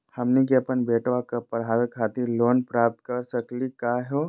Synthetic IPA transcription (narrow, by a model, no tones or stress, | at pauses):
hɐmnik̬eɐpənbeːʈʋakɐpɐɽ̤aːʋekʰaːt̪iɾloːnpɾaːp̚t̪̚kɐɾsəklikaːɦoː